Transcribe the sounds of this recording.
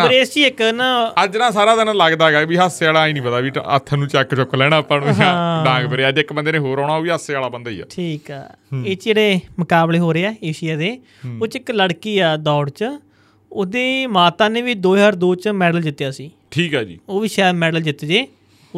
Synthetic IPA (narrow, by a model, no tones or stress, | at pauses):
əɾeːst͡ʃiːɪknãːəd͡ʒnãːsaːɾaːd̪ənãːləɡd̪aːɡaːbiːɦəsaːlaːĩːnĩːpəd̪aːbiːə̰t̪ʰːnũːt͡ʃɛkt͡ʃʊklɛːɽ̃ãːpənɦãɖãːŋɡbəɾeːad͡ʒ̪ɪkbənd̪eːnẽːɦoːɾɔ̃ːɽ̃aːoːiːɦəsaːlaːbənd̪aːḭːɛ̰ːʈʰiːkɛ̰ːeːt͡ʃd͡ʒeːɽeːməkaːbleːɦoːɾeːɛːeːʃɪjaːd̪eː | oːt͡ʃɪkləɽkiːaːd̪ɔːɽt͡ʃ | od̪eːmaːt̪ãːnẽːʋiːd̪oːəɾd̪oːt͡ʃmɛːɖəld͡ʒ̪ɪt̪ːjaːsiː | ʈʰiːkɛːd͡ʒḭːoːʋiːʃɛːd̪mɛːɖəld͡ʒ̪ɪt̪ːd͡ʒeː